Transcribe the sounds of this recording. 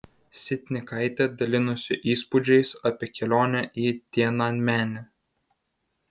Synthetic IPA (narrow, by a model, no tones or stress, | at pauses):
sʲɪt̪ʲnʲɪkɐɪt̪ʲɛd̪ɐlʲɪnʊsʲɪʔiːspʊd͡ʒʲɛɪsɐpʲiɛkʲɛlʲoːnʲɛʔiːt̪ʲiɛnɑnʲmʲæːnʲɪ